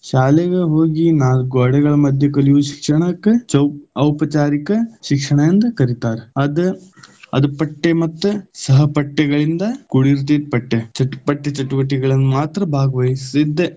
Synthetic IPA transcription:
ʃaːlɛɡeɦoːɡinaːlɡɔːɽɛɡɐɭɐmɐd̪ʱjɐkɐliʋuʃi̥kʂɐɳɐkːet͡ʃɐwɐwpɐt͡ʃaːɾikɐʃikʂɐɳɐjɐnd̪ɐkɐɾit̪aːɾeɐd̪uɐ̰d̪ɐpɐʈːemɐt̪ːusɐɦɐpɐʈːɛɡɐɭind̪ɐkuɽiɾt̪iːd̪̚pɐʈːet͡ʃɐʈːpɐʈːet͡ʃɐʈːuʋɐʈːiɡɐɭɐnːumaːt̪ɾɐbʱaːɡɐʋɐjisid̪ːe

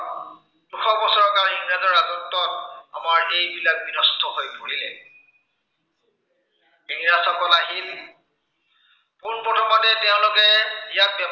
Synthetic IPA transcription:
duxɔbɔsɔɹɔkaɹɦiŋɹazɔɹazɔtːɔta̰maɹejbilak̚binɔstʰɔɦojpoɹilɛ | ɦiŋɹasakɔnaɦil | kunpɹɔtʰɔmɔtɛtɛʊ̃lʊkɛijat̚bjɛm

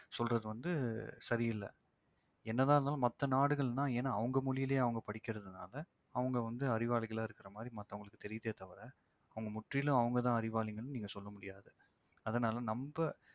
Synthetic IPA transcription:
sɔlrɐðɯʋɐnd̪ɯsɐɾɪjɪlːɐ̰ | ɛnːɐðaːɾnaːlɐmɐt̪ːɐnaːɽɯɣɐɭnãːeːnːaːɐʋɐŋɡɐmʊɭɪjɪleːɐʋɐŋɡɐpɐɽɪkːɪɾɐðɯna̰ːlɐ | ɐʋɐŋɡɐʋɐnd̪ɯɐɾɪʋaːɭɪɣɐɭaːɪɾɯkːɪɾɐmaːd̪ɾimɐt̪ːɐʋʊŋɡɐɭɯkːɯt̪ɛɾɪjðeːt̪ɐʋɐɾɐ | ɐʋɐŋɡɐmʊʈrɪlʊ̃ɐʋɐŋɡɐt̪ãːɐɾɪʋaːɭɪŋɡɐɭniːŋɡɐsɔlːɐmʊɽɪjaːðɯ | ɐðɐnaːlɐnɐmbɐ

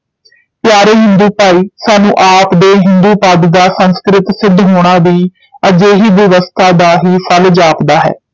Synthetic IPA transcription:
pjaːɾeːɦɪ̃nd̪uːpaːiːsaːnũːʔaːpd̪eːɦɪnd̪uːpaːd̪d̪aːsənskɾɪt̪sɪd̪ɦoːɽ̃aːʋiː | əd͡ʒeːɦiːbjəʋəst̪ʰaːd̪aːɦiːpʰəld͡ʒaːpd̪aːɦɛ̰ː

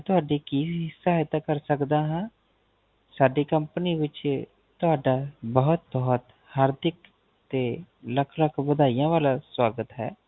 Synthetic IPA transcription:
t̪ʊɦaːɖiːkiːɦɪsaːɪt̪aːkəɾsəkd̪aːɦãː | saːɖiːkəmpəniːʋɪt͡ʃ | t̪ʊɦaːɖaːbəʊt̪̚bəɦt̪ | haːɾd̪ɪk | t̪eːləkʰləkʰbəd̪aːijãːʋaːlaːswaːɡət̪ɦɛ̰ː

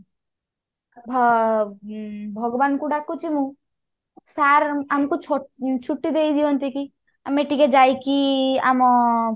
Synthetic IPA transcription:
bʱ | bʱɔɡbankuɽakːut͡ʃimũ | saɾamkut͡ʃʰɔt͡ʃʰuʈːid̪ejd̪iɔnt̪iki | ameʈiked͡ʒajkia̰mɔ

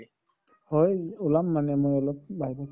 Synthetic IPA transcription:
hojulamːanɛmojɔlɔp̚baɦibak

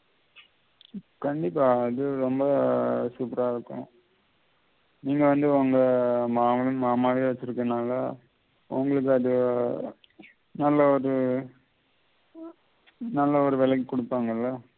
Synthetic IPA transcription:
kɐɳɖɪpːaːɐðɯɾɔmbɐsuːpɪɾaːɪɾɯkːʊ̰̃ | niːŋɡɐʋɐnd̪ɯɐŋɡɐmaːmɐlɯmaːmaːʋiʋɐt͡ʃːɪɾɯkːɐnaːlɐ | ʊ̰ŋɡɐɭɯk̬ːɯɐðɯ | nɐlːɐɔɾɯ | nɐlːɐɔɾɯʋɛlɐkːkɔɽɯpːaːŋɡɐlːɐ

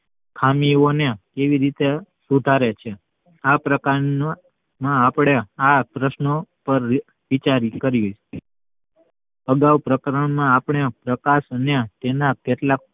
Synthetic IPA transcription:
kʰamionekeʋiɾit̪esud̪ʱaɾet͡ʃʰe | apɾəka | mãːpɳeapɾəʃnopəɾ | ʋit͡ʃaɾikəɾju | əɡawpɾəkɾəɳmãapɳepɾəkaʃnjãt̪enakeʈlak̚

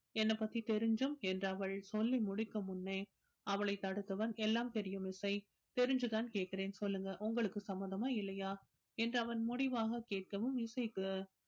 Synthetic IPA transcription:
ɛnːɐpːɐt̪ːit̪ɛɾɯɲd͡ʒɯmɛndrɐʋɐɭsɔlːimʊɽɪkːɐmʊnːeː | ɐʋɐɭɐɪt̪ːɐɽɯt̪ːɐʋɐnɛlːaːmt̪ɛɾɪjɯmɪsɐɪ | t̪ɛɾɯɲd͡ʒɯt̪aːnkeːʈ̚kɪɾeːnsɔlːɯŋɡɐʔʊŋɡɐɭɯkːɯsɐmːɐðɐmaːɪlːɐjaː | ɛndrɐʋɐnmʊɽɪʋaːɣɐkeːʈ̚kɐʋɯmɪsɐɪkːɯ

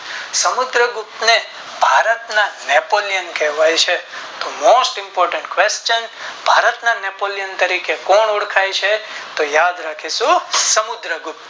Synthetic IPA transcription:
səmʊd̪ɾəɡʊp̚t̪ne | bʱaɾət̪nanɛpolijənkɛɦʋajt͡ʃʰet̪omoːsʈɪ̃mpoːɾʈə̃ɳʈkʋest͡ʃənbʱaɾət̪nanepolijənt̪əɾikekoɳoɽkʰajt͡ʃʰet̪ojad̪ɾakʰisũsəmʊd̪ɾəɡʊp̪̚

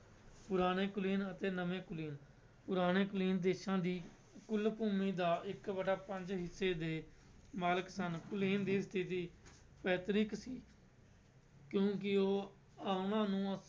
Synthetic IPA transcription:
pʊɾaːɽ̃eːkʊliːnət̪eːnəʋẽːkʊliːn | pʊɾaːɽ̃eːkʊliːnd̪eːʃãːd̪iː | kʊlpuːmiːd̪aːʔɪkbəɖaːpəɲd͡ʒɦɪsːeːd̪eː | maːləksənkʊliːnd̪iːst̪ʰɪt̪iː | pɛːt̪ɾɪksiː | kjõːkɪoː | aːʊnãːnũːə

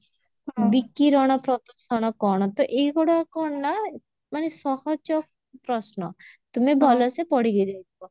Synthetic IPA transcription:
bikːiɾɔɽ̃ɔpɾɔt̪ɔsɔɽ̃ɔkɔɽ̃ɔt̪ɔʔeɡɔɽakɔɳna | manesɔhɔd͡ʒɔ | pɾɔsnɔt̪umebʱɔlɔsepɔɽiɡed͡ʒajt̪ʰɔ

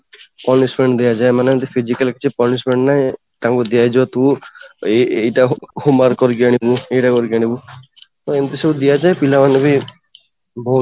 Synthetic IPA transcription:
pɔnismẽɳɖd̪ijad͡ʒaemanent̪ipʰid͡ʒikɐlkit͡ʃʰipɔlismeɳɖnaẽ | t̪ãŋkud̪ijad͡ʒɔt̪ueejʈahumaɾkɔɾɡaɽ̃ibuejʈakɔɾiɡaɽ̃ibu | t̪ɔent̪isebud̪ijad͡ʒaepilaʋanebʱi | bɔu

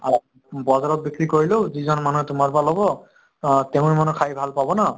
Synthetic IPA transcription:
a | bɔzaɹɔt̚bikɹikoɹiloʊzizɔnmanuɦɛtʊmaɹpalɔbɔ | teʊ̃ɹimanukʰajbʱalpabɔna

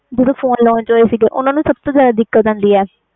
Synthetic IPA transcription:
d͡ʒəd̪õːpʰoːnlɔːnd͡ʒoːeːsɪɡeːʔʊnːãːnũːsəb̚t̪õːzjaːd̪aːd̪ɪkːət̪ãnd̪iːɛː

